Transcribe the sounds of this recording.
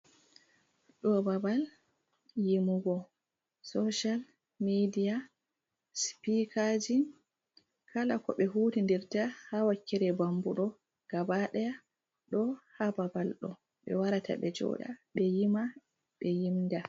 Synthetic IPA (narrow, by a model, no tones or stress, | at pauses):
ɗɔbabal | jimuɡɔ | sɔʃal | midija | spikʰad͡ʒin | kʰalakɔɓɛɦuːtindiɾtahawakːɛɾɛbambuɗɔ | ɡ̥abaɗɛja | ɗɔhababalɗɔ̰ | ɓɛ̰waɾatʰa̰ɓɛd͡ʒɔ̰ɗa̰ɓɛjima | ɓɛjimda